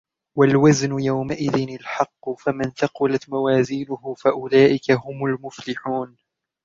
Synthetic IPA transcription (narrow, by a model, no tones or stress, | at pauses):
walwaznʊjawmaʔɪðɪnalħɑqːʊfamɪnt̪ɑqʊlat̪mawaːziːnʊhʊfaʔʊlaːʔɪkaɦʊmʊlmʊflɪħuːn